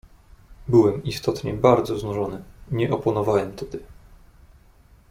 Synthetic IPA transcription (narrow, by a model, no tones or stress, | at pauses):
bɘwɛmist̪ɔt̪ɲɛbaɾd̪zɔznuʐɔnɘɲɛʔɔpɔnɔvawɛmt̪ʰɛd̪ɘ